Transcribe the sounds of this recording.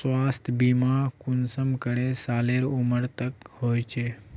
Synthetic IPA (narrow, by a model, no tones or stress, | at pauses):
sʋast̪ʰbimakunsəmkəɽesaleɾuməɾt̪əkhojt͡ɕe